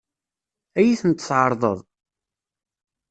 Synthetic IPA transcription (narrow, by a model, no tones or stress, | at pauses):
æjiθənt̪sʕəɾˤðˤəðˤ